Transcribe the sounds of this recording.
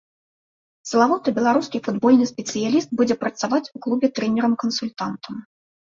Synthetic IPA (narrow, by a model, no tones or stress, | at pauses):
sɐlˠavɔt̪ɐbʲɛlˠaɾuskʲifud̪bɔlʲnɨspʲɛt̪sɨjalʲist̪̚bud͡zʲɛpɾɐt̪savat͡sʲuklˠubʲɛt̪ɾɛnʲɛɾɐmkɐnsulʲt̪ant̪ɐm